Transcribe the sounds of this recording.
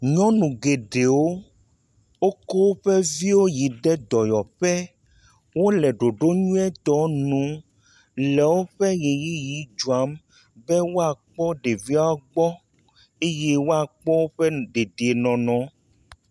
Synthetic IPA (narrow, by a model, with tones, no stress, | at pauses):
ɲɔ̃˦nũ˨ɡe˨ɖe˨wo˦ | wo˦kɔ˦wo˦ɸɛ˦vi˦wo˦ji˨ɖɛ˦d̪ɔ˨jɔ˨ɸɛ˦ | wo˦lɛ˨ɖo˨ɖo˦ɲũ˦ɛ˦t̪ɔ˨nũ˨˦ | lɛ˨wo˦ɸɛ˦ɣe˨ji˦ji˨˦d͡ʒu˨a˨˦m | bɛ˦wo˦a˨k͡pɔ˦ɖe˨vi˦a˦a˦ɡ͡bɔ˦ | e˦je˦wo˦a˨k͡pɔ˦wo˦ɸɛ˦ɖe˨d̪e˨e˨nɔ̃˨nɔ̃˨˦